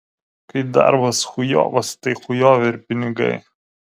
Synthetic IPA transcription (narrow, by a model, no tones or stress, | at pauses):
kɐɪd̪ɐ̰ɾbɐsxʊjo̰ːʋɐst̪ɐɪxʊjoːʋʲeɪɾʲpʲɪnʲɪɡɐ̰ɪ